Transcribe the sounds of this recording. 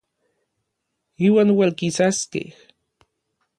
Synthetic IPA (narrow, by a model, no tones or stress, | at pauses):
iːwaːnwelkisaskḛh